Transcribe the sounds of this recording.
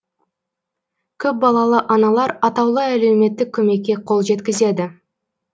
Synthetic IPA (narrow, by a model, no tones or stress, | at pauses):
kʲʰɵp̚bɑlˠɑlˠəʔɑnɑlˠɑɾɑt̪ɑwlˠəæle̞wme̞t̪ːɪk̚ʲʰːɵme̞kʲːe̞qʰo̞lˠʒe̞t̪kʲɪze̞d̪ɪ